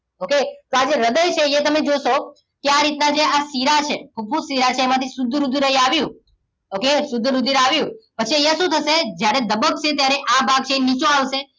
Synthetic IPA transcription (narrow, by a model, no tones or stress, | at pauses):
oket̪oad͡ʒeɾəd̪əjt͡ʃʰeet̪əmed͡ʒoʃo | keaɾit̪nad͡ʒeʔasiɾat͡ʃʰekʰub̚pũsiɾat͡ʃʰeːmãt̪ʰisʊd̪ʱːɾud̪ʱːɾəɦiaʋjũ | okesʊd̪ʱːɾud̪ʱiɾaʋjũpət͡ʃʰiaʃũt̪ʰəsed͡ʒjaɾed̪əbək̚t͡ʃʰet̪jaɾeʔabʱaɡ̚t͡ʃʰeenit͡ʃõaʋʃe